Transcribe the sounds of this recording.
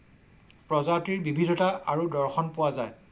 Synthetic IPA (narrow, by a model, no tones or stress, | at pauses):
pɹɔzatiɹbibʱidʱɔtaaɹudɔɹxɔnpʊwazaj